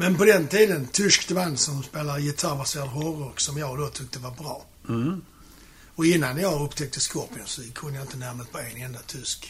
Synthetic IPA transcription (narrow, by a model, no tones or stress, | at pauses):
mɛnpɔd̪ɛnt̪ʰiːd̪ənt̪ʰʏʂkd̪ɛvansɔmspeːlaɾjɪt̪ʰaɾbaseːɾad̪ɦɔɾɔɾksɔmjɑːɡd̪oːt̪ʰʏk̚t̪əvabɾɑː | ɔɪnːanjɑːɡɵpt̪ʰɛk̚t̪əskɔpɪənsɔkʰɵnːəjaɪnt̪ənæɾməst̪pʰɔɛnɛnd̪at̪ʰʏsk